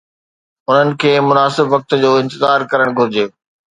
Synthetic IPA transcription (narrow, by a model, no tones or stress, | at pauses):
ʊn̤ənɪ̆kʰeːmʊnaːsɪbʋɐk̚t̪d͡ʑoːɪ̃nt̪ɪzaːɾkɐɾəɽ̃ɡʱʊɾɪd͡ʑeː